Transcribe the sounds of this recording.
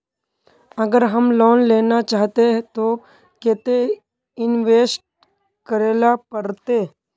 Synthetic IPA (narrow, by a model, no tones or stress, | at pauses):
əɡəɾɦəmlɔːnleːnat͡ʃaːɦt̪eɦt̪o | keːt̪e | ɪnʋeːsʈ̚ | kəɾeːlapəɾt̪eː